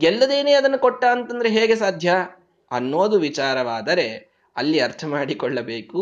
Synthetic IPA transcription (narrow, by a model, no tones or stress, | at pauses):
ɡɛlːɐd̪e̞ːneːɐd̪ɐnːɐkɔʈːaːɐnt̪ɐnd̪ɐɾeɦeːɡe̞saːd̪ʱjɐ | ɐnːoːd̪uʋit͡ʃaːɾɐʋaːd̪ɐɾe̞ | ɐlːiɐɾt̪ʰɐmaːɽikɔɭːɐbe̞ːku